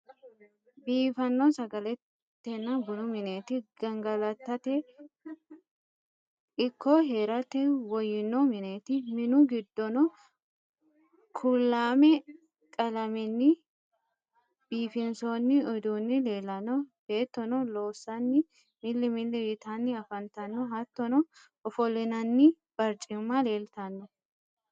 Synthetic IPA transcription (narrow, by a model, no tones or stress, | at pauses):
biːfɐnːɔsɐɡɐlɛt̪ː | ɛnːɐbʊnʊmɪneːt̪ɪɡ̥ɐŋɡɐlɐt̪ːɐt̪ɛ | ɪkːɔɦeːɾɐt̪ɛwɔjɪnːɔmɪneːt̪ɪmɪnʊɡɪd̪ːɔnɔ | kʰʊlːaːmɛ | kʼɐlɐmɛnːɪ | b̥iːfɪnsonːɪɔd̪uːnːɪle̞ːlɐnɔbe̞ːt̪ːɔnɔlo̞ːsːɐnːɪ | mɪlːɪmɪlːɪjɪt̪ɐnːɪɐfɐnt̪ɐnːɔɦɐt̪ːɔnɔ | ɔfɔlɪnɐnːɪ | b̥ɐɾt͡ʃʼɪmːale̞ːlt̪ɐnːɔ